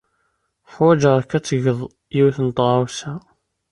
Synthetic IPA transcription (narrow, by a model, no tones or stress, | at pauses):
ħwæd͡ʒəɾˤkæt͡sːəʝəðˤ | jiwiθənət̪ˤʁawsæ